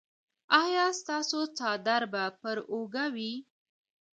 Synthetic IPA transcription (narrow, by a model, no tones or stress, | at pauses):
ɑjɑst̪ɑsot͡sɑd̪aɾbapəɾoɡawi